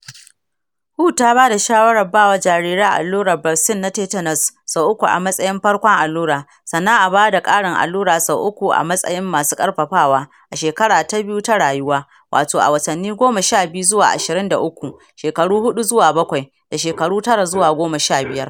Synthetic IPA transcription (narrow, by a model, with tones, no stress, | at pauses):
huː˦taː˦baː˦da˨ʃaː˦wɐ˦ɽɐ˨baː˦˨wɐ˦d͡ʒaː˨ɾiː˦ɾaː˦ʔa̰˨lːuː˦ɽɐ˨bɐ˨sɪ˦nːa˦teː˦tɐ˦nɐ˨sːa˨ʔʊ˦kʷu˨ʔa̰˨mɐ˦sʼɐ˦jɪ˦mɸɐ˦ɽkʷɔ˦ŋʔa˨lːuː˦ɾaː˨ | sɐ˨nːa˦ŋʔa˨baː˦da˨kʼaː˦ɽɪ˨ŋʔa̰˨lːuː˦ɾaː˨sa˨ʔʊ˦kʷu˨ʔa̰˨mɐ˦sʼɐ̰˦jɪ˦mːaː˨su̥ː˦kʼɐ˦rɸɐ˨ɸaː˦˨waː˦ | ʔa˨ʃeː˨kɐ˦ɽaː˨ta˦bɪ˦ju˦ta˦ɽaː˨jʊ˦waː˦ | wʔa̰ː˨toː˨ʔa̰˨wɐ˨tɐ˨nːiː˦ɡʷoː˦ma˨ʃaː˦˨bɪ˦ju˦zʊ˦waː˨ʔa̰˨ʃɪ˨ɾɪ˦nda̰˨ʔʊ˦kʷu˨ | ʃeː˨kɐ˨ɽuː˦hʊ˦ɗu˦zʊ˦waː˨bɐ˦kʷa˨j | d̥a˨ʃeː˨kɐ˨ɽuː˦tɐ˦ɽa˨zʊ˦waː˨ɡʷoː˦ma˨ʃaː˦˨bɪ˦jɐ˦r